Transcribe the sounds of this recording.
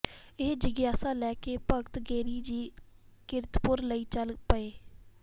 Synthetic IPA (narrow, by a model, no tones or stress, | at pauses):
ɪɦd͡ʒɪɡjaːsaːlɛːkeːpəkt̪ɡeːɾiːd͡ʒiːkɪɾt̪pʊɾləiːt͡ʃəlpəeː